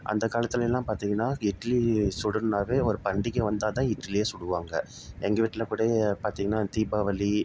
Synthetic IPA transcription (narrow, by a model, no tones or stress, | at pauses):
ʔɐ̰nd̪ɐkaːlɐt̪ːɪlɛlːãːpaːɾt̪iːŋɡɐnːaːɪʈːlisʊɽɯɾnaːʋeːɔɾɯpɐɳɖɪkːɯʋɐnd̪aːt̪ãːɪʈːlɪjeːsʊɽɯʋaːŋɡɐ | ɛŋɡɐʋiʈːɪlɐkuːɽɐpaːɾt̪iːŋɡɐnːaːt̪iːbaːʋɐli